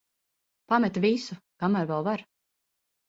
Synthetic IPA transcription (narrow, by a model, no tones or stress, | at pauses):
pamɛt̪visukamæɾvɛlˠvaɾ